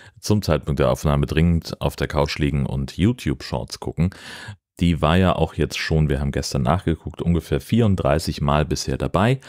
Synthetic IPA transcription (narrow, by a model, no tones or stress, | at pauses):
t͡sʊmt͡saɪt̚pʰʊŋkt̚d̥eːɐʔaʊfnaːmədʁɪŋəntʔa̰ʊfd̥eːɐkʰaʊt͡ʃliːɡŋ̩ʔʊ̰ntjuːtʰjuːpʃɔ̰ɐtskʰʊ̰kŋ̩d̥iːvaːɐjaːʔaʊxjɛt͡stʃoːnviːɐɦaːbm̩ɡɛstɐnːa̰ːχɡ̥əkʰʊktʔʊnɡəfeːɐfiːɐʁʊnt̚d̥ʁa̰ɪsɪçmaːlbɪsheːɐdabaɪ